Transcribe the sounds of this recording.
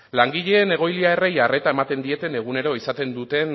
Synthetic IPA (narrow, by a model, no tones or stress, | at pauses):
laŋɡiʎe̞ːne̞ɣ̞o̞jliae̞re̞jare̞t̪ae̞mat̪e̞nd̪ie̞t̪e̞ne̞ɣ̞une̞ɾo̞isat̪e̞nd̪ut̪e̞n